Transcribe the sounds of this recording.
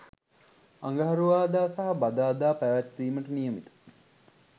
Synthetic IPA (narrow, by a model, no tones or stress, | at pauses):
aŋɡɐɦɐɾuʋaːd̪aːsaɦɐbad̪aːd̪aːpæʋæt̪ːiːməʈənijəmit̪ə̥